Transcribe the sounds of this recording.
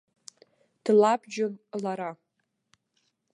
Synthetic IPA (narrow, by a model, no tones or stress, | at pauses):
d̥labd͡ʒʊmlaɾa